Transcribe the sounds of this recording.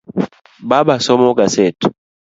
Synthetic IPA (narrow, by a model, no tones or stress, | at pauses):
babasɔmɔɡasɛtu̥